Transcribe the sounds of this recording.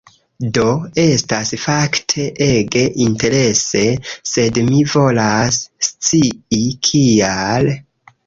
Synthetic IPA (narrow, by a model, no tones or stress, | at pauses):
do̞e̞stasfaktʰe̞ʔe̞ɡe̞ʔinte̞ɾe̞se̞se̞dmivo̞lasːt͡siikʰial